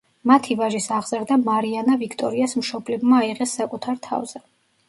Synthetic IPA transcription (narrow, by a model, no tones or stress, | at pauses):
mat̪ʰivaʒisaʁz̥aɾd̪amaɾianavikʰt̪ʼɔɾiasmʃɔblɛbmaːiʁɛsːakʼut̪ʰaɾt̪ʰa̰vz̥ɛ